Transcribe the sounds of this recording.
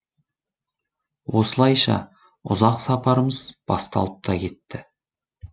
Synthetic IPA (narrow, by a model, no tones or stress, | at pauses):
wo̞səlˠɑjʃɑ̰ | ʊ̰zɑqsɑpɑɾəməzb̥ɑst̪ɑ̰lˠəp̚t̪ʰɑkʲʰe̞t̪ːɪ